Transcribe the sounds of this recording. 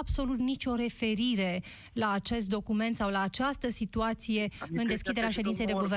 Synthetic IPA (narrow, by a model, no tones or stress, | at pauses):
ab̥so̞lut̪nit͡ʃo̞ɾe̞fe̞ɾiɾe̞ | laːt͡ʃe̞st̪̚d̪o̞kume̞nt̪sawlaːt͡ʃast̪əsit̪uat̪sije̞ɨnd̪e̞skʲid̪eɾeaʃe̞d̪int̪sejd̪eɡuve